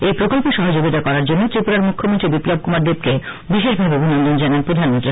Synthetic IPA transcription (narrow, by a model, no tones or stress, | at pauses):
ejpɾokolpoʃɔɦod͡ʑoɡit̪akɔɾaɾd͡ʑonːot̪ɾipuɾaɾmukʰːomont̪ɾibiplob̚kumaɾd̪eb̚ke | biʃeʃbʱabeobʱinɔnd̪ond͡ʑananpɾod̪ʱanmont̪ɾi